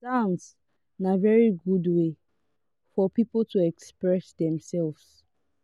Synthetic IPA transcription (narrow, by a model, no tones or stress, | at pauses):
sãns | navɛɹiɡudwe | fɔpipltuɛkspɹɛsdɛ̃msɛlvs